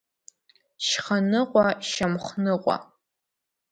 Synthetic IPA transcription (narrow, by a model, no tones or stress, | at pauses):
ʃχɐnɨʁʷɔʃɐmχʷnɨʁʷɔ̰